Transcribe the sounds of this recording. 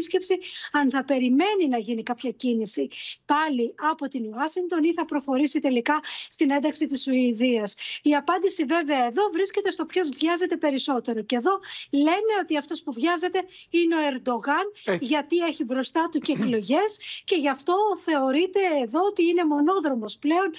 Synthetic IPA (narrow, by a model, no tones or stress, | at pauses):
sce̞psiɐnθɐpe̞ɾime̞ninɐʝinikɐpçɐcinisipɐliɐpo̞t̪inuɐsiŋɡt̪o̞niθɐpɾo̞xo̞ɾisit̪e̞likɐst̪ine̞nd̪ɐksit̪isuiðiɐsiɐpɐnd̪isive̞ve̞ɐeðo̞vɾisce̞t̪e̞st̪o̞pço̞zvʝɐze̞t̪e̞pe̞ɾiso̞t̪e̞ɾo̞ce̞ðo̞le̞ne̞o̞t̪iɐft̪o̞spuvʝɐze̞t̪e̞ineo̞e̞ɾd̪o̞ɣɐnʝɐt̪ie̞çibɾo̞st̪ɐt̪uceeklo̞ʝe̞sce̞ʝɐft̪o̞θe̞o̞ɾit̪e̞ːðo̞ot̪iine̞mo̞no̞ðɾo̞mo̞sple̞o̞n